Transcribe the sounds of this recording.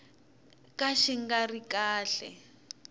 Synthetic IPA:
kaʃiŋɡarikaːɬɛ̰

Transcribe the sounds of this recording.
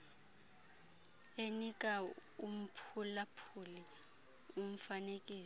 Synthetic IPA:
enikʼaum̩pʰulapʰuli | um̩fanekʼiː

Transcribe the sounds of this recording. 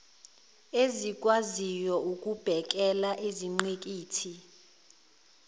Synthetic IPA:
ezik̬ʼwazijɔuk̬ʼub̥ʱɛk̬ʼɛlaʔeziŋ͡ǀek̬ʼiːtʰi

